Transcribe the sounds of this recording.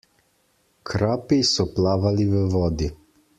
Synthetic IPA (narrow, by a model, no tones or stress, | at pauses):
kʰɾaːpisɔplaːʋaliʋəʋɔːd̪i